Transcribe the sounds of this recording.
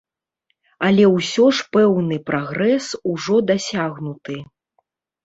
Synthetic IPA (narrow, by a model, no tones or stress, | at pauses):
alʲɛwsʲɔʂpɛwnɨpɾʔaɣɾɛsuʐɔd̪asʲaɣnut̪ɨ